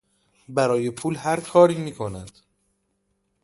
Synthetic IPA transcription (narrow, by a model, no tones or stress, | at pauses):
bæɾɒːje̞pʰuːlhæɾkʰɒːɾiːmiːkʰo̞næd̪̥